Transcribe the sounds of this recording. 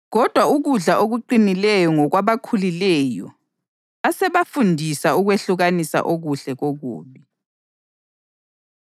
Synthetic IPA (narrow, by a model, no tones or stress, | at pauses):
ɣɔd̥ʱwauɣuɮaʔoɣuǃinilɛjɔŋɔɣwaβakʰulilɛjɔ̰ | asɛβafundʱisauɣweɬuɣanisa̰ʔoɣuɬɛɣoɣṵːβi